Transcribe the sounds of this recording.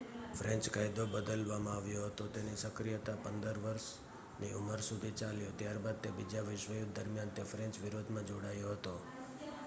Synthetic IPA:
fɾɛ̃ɲt͡ʃkajd̪obəd̪əlʋamãaʋjoɦət̪ot̪enisəkɾijət̪apənd̪əɾʋəɾʃ | niʔuməɾsud̪ʱit͡ʃaljot̪jaɾbad̪̚t̪ebid͡ʒaʋɪʃʋəjuk̪̚d̪əɾmjant̪efɾɛ̃ɲt͡ʃʋɪɾod̪ʱmãd͡ʒoɽajoɦət̪o

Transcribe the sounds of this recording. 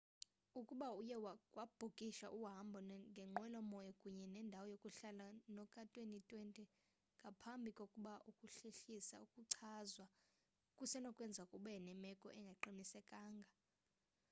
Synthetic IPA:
ukʼuɓaujɛwawab̥ʱokʼiʃaʔuɦambʱɔnŋɡʱɛŋ͡ǃwɛlɔmɔjɔkʼuɲɛnɛndʱawɔjokʼuɬalanɔkʼatʼwenitʼwentʼi | ŋɡʱapʰambʱikʼokʼuɓaʔukʼuɬeɬisa̰ukʼuǀʰazwa | kʼusɛnɔkʼwɛnd͡zʱakʼuɓɛnɛmɛkʼɔ̰ʔɛŋɡʱɛǃomisɛkʼaːŋɡʱa

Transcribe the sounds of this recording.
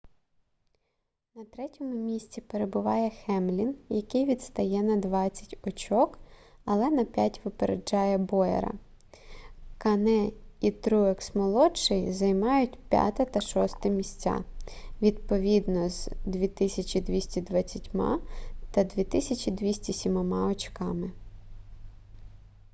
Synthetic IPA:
nɐt̪ɾɛtʲɔmʊmʲisʲt͡sʲipeɾebʊʋɑjɛxɛmlʲinjɐkɪjʋʲid̪st̪ɐjɛnɐd̪ʋɑt͡sʲːɐ̥tʲɔt͡ʃɔkɐlˠɛnɐpʲjatʲʋɪpeɾḛd͡ʒɑjɛbɔjɛ̰ɾɐ̰ | kɐnɛit̪ɾuɛksmɔlˠɔt͡ʃɪjzɐjmɑjʊtʲpʲja̰t̪ɐt̪ɐʃɔst̪ɐmʲisʲt͡sʲa̰ʋʲid̪pɔʋʲid̪nɔzd̪ʲʋʲit̪ɪsʲɐt͡ʃʲid̪ʲʋʲisʲtʲid̪ʋɐt͡sʲːɐtʲmɑ̰t̪ɐd̪ʋʲit̪ɪsʲɐt͡ʃid̪ʋʲisʲtʲisʲimɔmɑɔt͡ʃkɑmɪ

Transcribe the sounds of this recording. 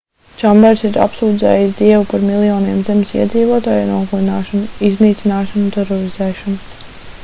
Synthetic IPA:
t͡ʃambɛɾsiɾa̰psuːd̪zɛ̰ːjisd̪iɛvupaɾmilˠijɔːniɛmzemʲsḭɛd̪ziːvuɔt̪aːjanuɔkulˠinaːʃɔnuizniːt̪sinaːʃanut̪eɾɔɾizɛːʃɔnu

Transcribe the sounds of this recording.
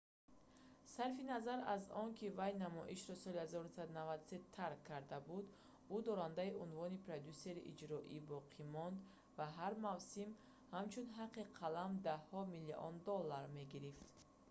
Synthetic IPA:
saɾfinazaɾazɔnkʰivajnamɔ̰ʔiʃɾɔsɔlihazɔɾunusad̪unavad̪set̪ʰːaɾkʰːaɾd̪abud̪ | ud̪ɔɾand̪aiʔunvɔnipʰɾod̪juseɾiʔid͡ʒɾɔʔibɔqʰimɔnd̪ | vaɦaɾmavsim | hamt͡ʃʰunɦaqʰːiqʰalamd̪ahɔmiliʔɔ̰nd̪ɔlːaɾme̞ɡiɾift̪

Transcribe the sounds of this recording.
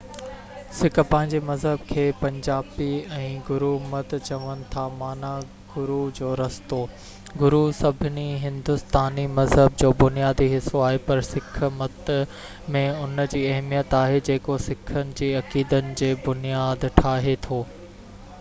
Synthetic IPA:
sɪkʰpɐ̃ɦɪ̃ɲd͡ʑemɐzɦəbkʰeːpɐ̃ɲd͡ʑaːbiɛ̃ːɡʊɾumɐt̪t͡ɕɐʋənɪ̆t̪ʰamaːna | ɡʊɾud͡ʑoːɾɐst̪oː | ɡʊɾusɐbʱɪniɦɪ̃nd̪ʊst̪aːnimɐzɦəb̚d͡ʑoːbʊnijaːd̪iɦɪsoaːɦepɐɾsɪk̆ʰmɐt̪ | mẽʊnd͡ʑiːɐɦmijət̪aːɦed͡ʑeːkosɪkʰənɪ̆d͡ʑiːɐkiːd̪ənɪ̆d͡ʑeːbʊnijaːd̪ʈʰaːɦet̪ʰoː

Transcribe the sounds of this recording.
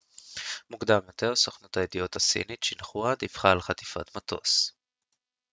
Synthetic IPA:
mukd̪amjo̞t̪e̞ʁsoχnut̪ajed̪iot̪asḭnitʃenχuad̪ifχaːlχat̪i̥fa̰t̪mat̪ʰo̞̰s

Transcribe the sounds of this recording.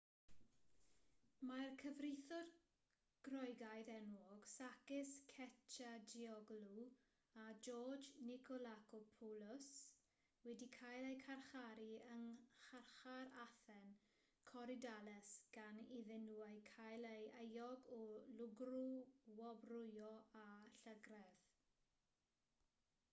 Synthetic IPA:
markʰəvrɪjθɔd | ɡ̥rɔjɡajðɛnwɔɡ̥sakɪskʰɛtʰadiɔɡlu | ad͡ʒɔːd͡ʒnɪkʰɔlakɔpʰɔlʊs | wɛdikʰajlˠejkʰarχaɾiəŋχarχaɾaθɛn | kʰɔɾɪdalɛsɡ̥aniðɛnuajkʰajlejejɔɡɔlʊɡruwɔbrʊjɔaɬəɡrɛð̥

